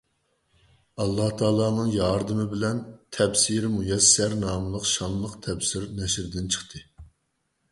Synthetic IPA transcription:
ɑlˠːɑht̪ʰɑːlˠɑːnɨŋjɑɾd̪ɨmɪbɪlɛnt̪ʰɛbsiɾmujɛsːɛɾnɑːmɨlˠəqʃɑnlˠəqt̪ʰɛbsɪɾnɛʃɾd̪ɪnt͡ʃʰə̥χt̪ʰɨ

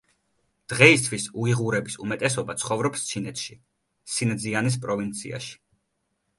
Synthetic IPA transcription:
d̪̥ʁɛist̪ʰwisuiʁuɾɛbisumɛt̪ʼɛsɔbat̪sʰχɔvɾɔpst̪t͡ʃʰinɛt̪ʃi | sind̪zianis̬pʼɾɔvint̪sʰḭa̰ʃi̥

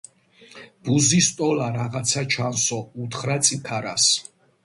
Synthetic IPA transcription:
b̥uzist̪ʼɔlaɾaʁat̪sʰat͡ʃʰansɔut̪ʰχɾat̪sʼikʰaɾas

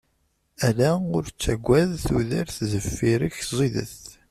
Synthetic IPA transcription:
ælæʊɾt͡sːæɡʷːæðθuðəɾθzəfːiɾəçzˤiðə̰θ

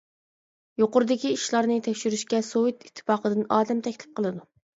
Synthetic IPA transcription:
joqʊɾɨd̪ɪkʲiiʃlˠɑɾnɨt̪ʰɛkʲʃyɾyʃkʲɛsoit̪it̪ʰːɨ̥fɑːqəd̪ɨnɑːd̪ɛmt̪ʰɛkʲlɪ̥p̚qʰəlˠɨd̪u

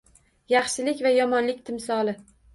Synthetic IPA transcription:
jɑχʃɪlɪkʲvajɒmɒnlɪk̚ʲt̪ʰɪmsɒlˠɪ

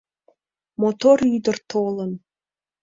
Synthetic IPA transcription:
mot̪oɾyd̪ərt̪ʰolən

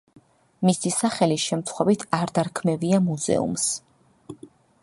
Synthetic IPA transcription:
misisaχɛliʃɛmt̪sχwɛvit̪ʰaɾd̪aɾkʰmɛviamuzɛ̰ṵms

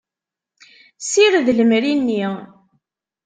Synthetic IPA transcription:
siɾðləmɾinːi

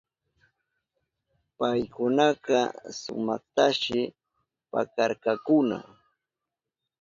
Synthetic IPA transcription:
pajkʊnɑqɑsʊ̰mɑχt̪aʃɪ | pa̰kaɾkakʊna̰

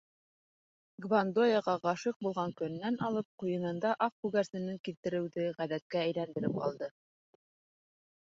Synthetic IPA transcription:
ɡvand̪ojɑʁɑʁɑʃɤq̚bulˠʁɑŋkɵ̆nːænʔɑlˠɤp̚qujɤ̆nɤ̆nd̪ɑʔɑfkʉɡæɾsɘ̆nɘŋkilt̪ɘ̆ɾɘ̆wðɘʁæðæt̪̚kæːjlænd̪ɘ̆ɾɘpɑ̰lˠd̪ɤ

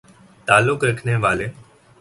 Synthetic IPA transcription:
t̪aːlʊkɾəkʰneːʋaːleː

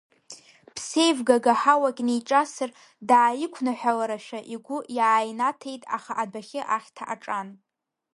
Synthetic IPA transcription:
pʰse̞jvɡaɡaħawakʲʼnijʈ͡ʂʼasɨr | daːjɪkʷʰnaħʷᶣalaɾaʃᶣaʔiɡʷʊjaːjnatʰe̞jtʼa̰χaʔadaχʲɪʔaχʲtʰaʔaʈ͡ʂʼan

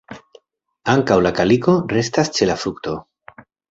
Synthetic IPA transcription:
aŋkawlakaliko̞re̞stast͡ʃe̞lafɾukt̪o̞

